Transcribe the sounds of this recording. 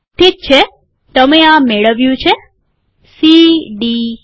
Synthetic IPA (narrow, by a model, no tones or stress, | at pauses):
t̪ʰit̪̚t͡ʃʰe | t̪əmeameɭəʋjũt͡ʃʰe | siɖi